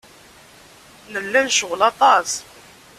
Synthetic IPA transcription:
nəlːænʃʊʁlɑt̪ˤɑs

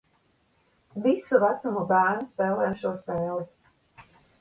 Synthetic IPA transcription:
visuvæt̪samubæːɾnspɛːlˠɛːjmʃuɔspɛːlˠi

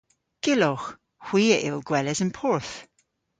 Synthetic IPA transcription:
ɡ̥ɪlɔx | hw̥iːəʔɪlˠɡwɛləzənpʰɔɹθ

